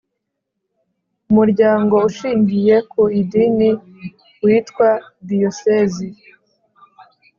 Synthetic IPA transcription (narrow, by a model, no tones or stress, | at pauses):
umuɾɟaːŋɡo̞uʃiːɲɟije̞kuidini | wiːtkwadiosezi